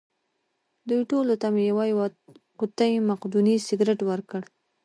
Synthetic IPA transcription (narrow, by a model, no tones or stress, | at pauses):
d̪ujʈolot̪amejawajw | qʊt̪ajmaqd̪unisɪɡɾɪʈwəɾkəɽ